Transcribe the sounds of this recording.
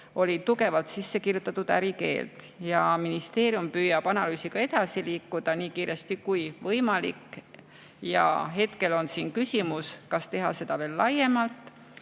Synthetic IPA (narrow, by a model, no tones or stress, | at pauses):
o̞lʲit̪uke̞vɑlt̪sisːe̞kirjut̪ːˑɑt̪ːˑud̪̥æɾike̞̰ːlt̪ | jɑminist̪e̞ːɾjumpyːjɑb̥ɑnɑlyːsiɡ̥ɑe̞d̪̥ɑsiliːkːˑud̪̥ɑniːkiːɾe̞st̪ikujvɤ̞jmɑlikˑː | jɑ̰ɦe̞t̪ke̞lo̞nsiːnkysʲimuskɑst̪e̞ɦɑse̞d̪̥ɑve̞ːlːɑje̞mɑlt̪ˑ